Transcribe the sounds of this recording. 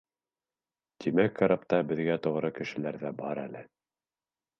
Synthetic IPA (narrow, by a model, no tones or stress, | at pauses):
t̪ʰimækːɑɾapt̪ɑbɘ̆ðɡæt̪ŏʁɾɤkɘ̆ʃɘ̆læɾðæbɑɾæ̰lɘ